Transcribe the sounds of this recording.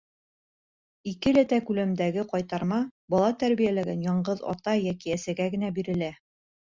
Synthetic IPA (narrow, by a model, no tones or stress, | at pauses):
ikɘlæt̪ækʉlæmd̪æɡɘqɒjt̪ɑɾmɑbɒlˠɑt̪æɾβijælæɡænjɑɴɢɤðɒ̰t̪ɑjækiæsæɡæɡɘ̆næbiɾɘ̆læ